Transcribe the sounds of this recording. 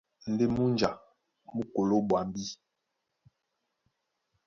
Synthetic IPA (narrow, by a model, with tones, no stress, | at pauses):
n̩˨de˦mu˦nd͡ʒa˨ | mu˦ko˨lo˦ɓwa˨mbi˦